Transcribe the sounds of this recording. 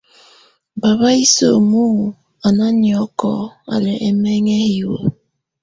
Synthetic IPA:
ba˨βa˦i˦so̰˨mu˦˨ | a˨na˦ni˨ɔ˦kɔ˦a̰˨lɛ˨ʔe˦me˦ŋe˦hi˨wo̰˨

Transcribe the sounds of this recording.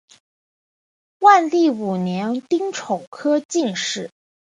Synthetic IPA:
wa˥˧nli˥˩u˨˩njɛ˧˥nt̪i˥ŋʈ͡ʂʰo˨˩ʊkʰɤ˥t͡ɕi˥˧ŋʂɻ̩˥˩

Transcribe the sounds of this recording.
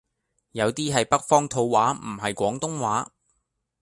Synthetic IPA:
jɐ˨˧wt̪iː˥ɦɐ˨jpɐ˥k̚fɔː˥ŋt̪ʰo˧wːaː˨˥m̩˨˩ɦɐ˨jkʷɔː˨˥ŋt̪ʊ˥ŋwaː˨˥

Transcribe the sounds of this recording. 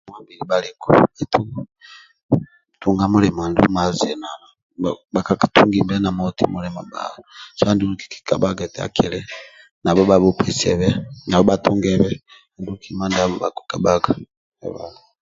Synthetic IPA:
mwa˦mbili˨bali˨kʰṵi˨tu˦ | tu˨ŋɡa˦mu˦lɛ˨ma˨ndṵ˦ma˨zɛ˨na˨ | ba˨ka˦kḁtʰu˦ŋɡi˦bɛ˦na˨mɔ˦tḭ˦mulɛma˨ba̰˨asa˦ndi˦luki̥˨ki̥˨ka̰˨ba˦ɡa˨tɛa̰˨kʰi˨lɛ˦ | na˨βɔβaβu˦pʰɛ˨sɛ̰˨βɛ˦na˨βɔ˦ba˦tuŋɡɛβɛ˦˨ | ndu˦u˦kima˦ndaβɔba̰˨ki̥ka˨ba˦ɡa˨ | ɛ̰˨βa̰˨n

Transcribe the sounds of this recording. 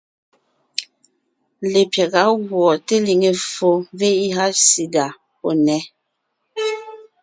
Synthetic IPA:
le˨pjɛ˨ɣa˨˦ɣwɔ˨te˦li˨ŋe˨fo˦ve˦i˦ɦa˦si˨da˨ | o˨nɛ˦

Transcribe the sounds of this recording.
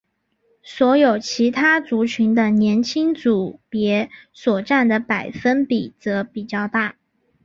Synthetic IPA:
swɔ˧˥jo˨˩ʊt͡ɕʰi˧˥t̪ʰa˥t͡su˧˥t͡ɕʰy˧˥nd̪ə˧njɛ˧˥nt͡ɕʰi˥ŋt͡su˨˩pjɛ˧˥swɔ˨˩ʈ͡ʂa˥˩nd̪ə˩pa˨˩ɪfə˥npi˨˩t͡sɤ˧˥pi˨˩t͡ɕjɑ˥˧ʊt̪a˥˩

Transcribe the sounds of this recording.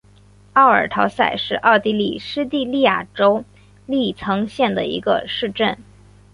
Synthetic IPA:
ɑ˥˩ʊə̰˞˨˩t̪ʰɑ˧˥ʊsa˥˧ɪʂɻ̩˥˧ʔɑ˥˩ʊt̪i˧˥lḭ˨˩ʂɻ̩˥t̪i˥˧li˥˩˧ja˨˩ʈ͡ʂo˥ʊ | li˥˩t͡sʰɤ˧˥ŋɕjɛ˥˩nd̪ə˩ḭ˧˥ɡə̰˧ʂɻ̩˥˧ʈ͡ʂə˥˩n

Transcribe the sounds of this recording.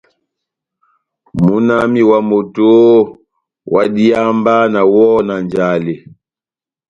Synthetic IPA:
mu˦na˦mi˦wa˨mo˨to˦ | wa˨di˦a˦mba˦na˨wɔ˦na˨nd͡ʒa˨le˨

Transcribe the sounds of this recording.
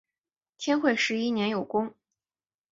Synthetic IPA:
t̪ʰjɛ˥nxwe˥˧ɪʂɻ̩˧˥i˥njɛ˧˥njo˨˩ʊkʊ˥ŋ

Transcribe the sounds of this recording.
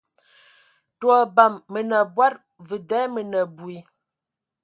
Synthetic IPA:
twɔ˨ba˨mːə˨nə˨bwa˦t̚ | və˨dɛ˨˦mə˨nə˨bwi˨

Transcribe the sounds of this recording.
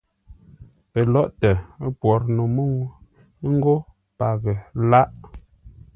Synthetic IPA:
pə˨lɔ˦˨ʔtə˨˦pwɔ˨˦ɾno˨mə˦wu˦ | ŋ̩˦ɡo˦ | pa˨ɣə˨la˦ʔ

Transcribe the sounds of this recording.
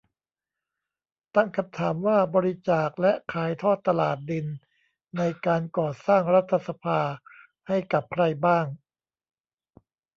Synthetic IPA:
t̪a˥˩ŋkʰa˧mt̪ʰaː˩˦mwaː˥˩bɔː˧ɾi˦˥t͡ɕaː˨˩k̚lɛ˦˥ʔkʰaː˨˩˦jt̪ʰɔː˥˩t̪ːa˧laː˨˩t̪̚dɯ˧nː | a˧jkaː˧nkɔː˨˩saː˥˩ŋɾa˦˥t̪ʰːa˧sa˧pʰaː˧ | ha˥˩jka˨˩p̚kʰɾa˧jbaː˥˩ŋ

